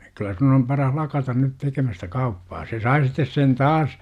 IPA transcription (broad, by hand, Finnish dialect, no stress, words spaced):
kylːæ sun om pɑrɑn lɑkɑtɑn nyt tekemæstæ kɑupːɑː se sɑi sitːes sen tɑːs